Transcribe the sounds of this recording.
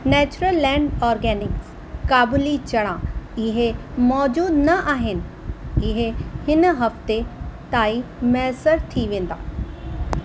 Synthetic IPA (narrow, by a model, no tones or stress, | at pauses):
nɛːt͡ɕʊɾəlːɛ̃ːɳɖɔːɾɡɛːnɪks | kaːbʊlit͡ɕɐɽ̃ãɪɦemɔːd͡ʑuːd̪nɐʔaːɦɪnɪ̆ | ɪɦehɪnɦɐft̪et̪aːimɛːsəɾt̪ʰiʋẽːn̆d̪a̰ː